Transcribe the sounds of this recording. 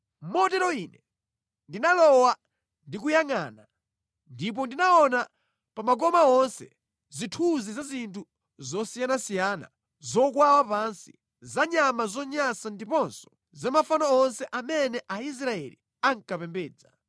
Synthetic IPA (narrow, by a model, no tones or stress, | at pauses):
mɔtɛɾɔinɛ | ndinalɔwa | ndik̬ujaŋaːna | ndip̬ɔndinaɔna | pamaɡɔmaɔnsɛ̰ | zitʰuzizazintʰu | zɔsijanasijana̰ | zɔk̬wawapansi | zaɲamazɔɲasandipɔnsɔ̥ | zamafanaɔnsɛʔamɛnɛʔais̬ɾaɛlḭ | aŋkapɛmbɛːd͡za